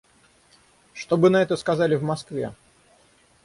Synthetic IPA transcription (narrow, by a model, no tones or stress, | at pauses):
ʂt̪obɨnɐɛt̪əskɐzalʲɪvmɐskvʲḛ